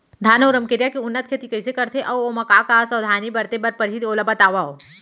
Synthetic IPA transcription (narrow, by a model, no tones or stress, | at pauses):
d̪ʱaːnʊɾəmkeɾijakiʊnːət̪̚kʰet̪ikɐɪsekɐɾt̪ʰeʔɔːomɐkakasɐːd̪ʱaːnibɐɾt̪ebɐɾpəɾɦid̪oːləbɐt̪aːʋaɦoː